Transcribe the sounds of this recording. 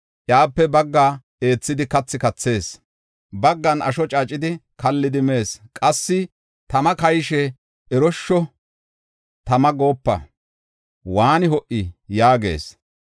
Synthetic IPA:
ʔjaːpːɛbɐɡːaː | e̞ːt͡sːɪd̪ɪkɐt͡sːɪkɐt͡sːe̞ːs | bɐɡːɐnɐ̰ʃɔt͡ʃʼat͡ʃʼːɪd̪ɪkɐlːɪd̪ɪme̞ːskʼɐsːɪ | t̪ɐmɐkɐjʃɛ | ɛɾɔʃːɔ | t̪ɐmɐɡo̞ːpːɐ̰ | waːnɪɦɔʔɪjaːɡe̞̰ːs

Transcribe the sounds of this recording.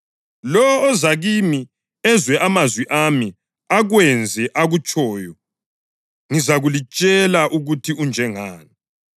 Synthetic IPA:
lɔɔːzaɣimi | ɛzwɛʔamazwiʔami | aɣwɛnd͡zʱɛʔaɣut͡ʃʼɔːjɔ | ŋizaɣulit͡ʃʼɛlaʔuɣutʰiund͡ʒʱɛŋaːni

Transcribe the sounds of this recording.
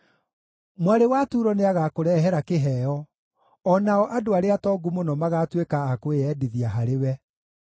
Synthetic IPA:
mwaɾewatuɾɔneaɣakoɾɛɦɛɾakeɦɛɔ | ɔnaɔʔadoaɾeatɔɡumonɔmaɣaːtwekaːkoeɛːdiðiaɦaɾewɛ

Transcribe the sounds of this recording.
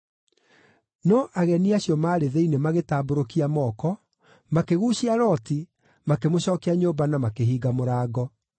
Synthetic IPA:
nɔʔaɣɛniaɕjɔmaːɾeðeinemaɣetaːboɾokiamɔːkɔ | makeɣuːɕiaɾɔːti | makemoɕɔːkeaɲoːbanamakeɦiːɡamoɾaːɡɔ

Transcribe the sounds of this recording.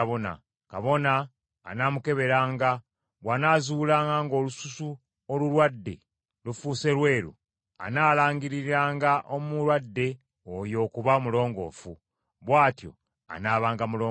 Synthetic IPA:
βona̰ | kaβo̞na̰ː | naːmuke̞βe̞ɾaːŋɡa | βwanaːzuːlaːŋɡaŋɡo̞ːlususu | olulwadːe̞̰ | lufuːse̞lwe̞ːɾṵ | a̰naːlaːŋɡiɾiɾaːŋɡaʔomulwadːe̞ | ojo̞ːkuβamulo̞ːŋɡo̞̰fu | βwaːtjo̰ | a̰naːβaːŋɡamuloː

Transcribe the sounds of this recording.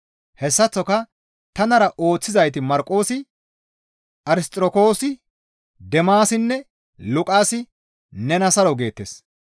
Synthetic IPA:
hɛsːɐt͡sːɔkɐ | t̪ɐnɐɾɐʔo̞ːt͡sːɪzɐjt̪ɪmɐɾkʼːo̞ːsɪ | ʔɐɾɪst̪ʼɾɔko̞ːsɪ | d̪ɛmaːsɪnːɛ | lʊkʼaːsɪ | nɛnɐsɐɾɔɡe̞ːt̪ːḛːs

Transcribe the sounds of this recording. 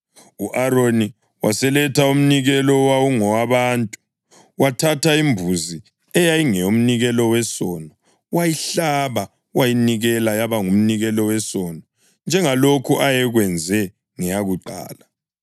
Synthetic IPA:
uʔaɾoni | wasɛlɛtʰaum̩niɣɛlɔwawuŋɔwaβaːntʼu | watʰataimbʱuzi | ɛjajiŋɛom̩niɣɛlɔwɛsɔnɔ | wajiɬaβa | wajiniɣɛlajaβaŋum̩niɣɛlɔwɛsɔnɔ | nd͡ʒʱɛŋalokʰuʔajɛɣwɛnd͡zʱɛ | ŋɛjaɣuǃa̰ːla

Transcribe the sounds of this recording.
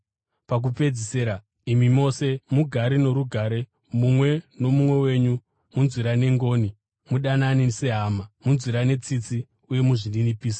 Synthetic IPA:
pak̬upe̞d͡ziseːɾa | imimo̞se̞muɡʱaɾino̞ɾuɡʱaɾe̞ | mumwe̞no̞mumwe̞we̞ːɲu | munzwiɾane̞ŋɡo̞ːni | muɗananise̞ɦaːmamunziɾane̞t͡sit͡si | uje̞muʐininipiːsḁ

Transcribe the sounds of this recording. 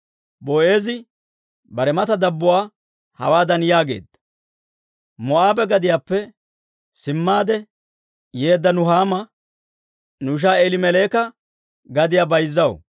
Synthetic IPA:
boːeːzɪ | bɐɾɛmɐt̪ɐd̪ɐbːʊwaː | hɐ̰waːd̪ɐnjaːɡe̞̰ːd̪ɐ̥ | mɔʔaːbɛɡɐd̪ɪjaːpːɛ | sɪmːaːd̪ɛ | je̞ːd̪ːɐnʊɦaːmɐ | nʊʃ̬aːɛlɪmɛleːkɐ | ɡɐd̪ɪjaːbɐjzːɐw̰

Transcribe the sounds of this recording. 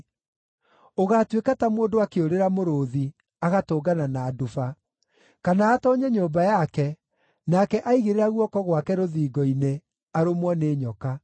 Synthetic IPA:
oɣatwekatamwoːndoakeoɾeɾamoɾoːði | aɣatoːɡananaːdufa | kanaːtɔɲɛɲoːbajakɛ | nakɛʔaiɣeɾeɾaɣwɔkɔɣwakɛɾoðiːɡɔine | aɾomwɔneːɲɔka

